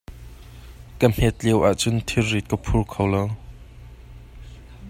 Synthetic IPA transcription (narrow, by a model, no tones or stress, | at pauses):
kəm̥ɛt̪̚liwʔaʔt͡sʊnt̪ʰirit̪̚kəpʰurkʰowlow